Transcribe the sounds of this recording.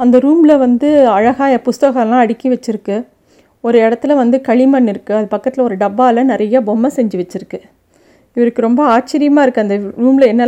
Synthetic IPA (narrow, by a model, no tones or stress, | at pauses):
ɐnd̪ɐɾuːmɪlɐʋɐnd̪ɯɐɻɐɣaːjɐpʊst̪ɐɣɐlãːɐɽɪkːiʋɛt͡ʃːɪɾɯkːɯ | ɔɾɯɛɽɐt̪ːɪlɐʋɐnd̪ɯkɐɭɪmɐnːɪɾɯkːɯɐðɯpɐkːɐt̪ːɪlɐɔɾɯɖɐbːaːlɐnɪɾɐjɐbɔmːɐsɛɲd͡ʒɯʋɛt͡ʃːɪɾɯkːɯ | ɪʋɐɾɯkːɯɾɔmbɐaːt͡ʃɪɾɪjɐmaːɪɾɯkːɯɐnd̪ɐɾuːmɪlɐɛnːɐl